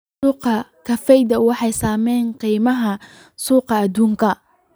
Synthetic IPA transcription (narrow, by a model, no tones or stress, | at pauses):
uːqɐkʰɐfɛjd̪ɐwɑħɑjsaːmɛjnqiːmɐɦɐ | suːqɑːd̪uːŋkʰɐ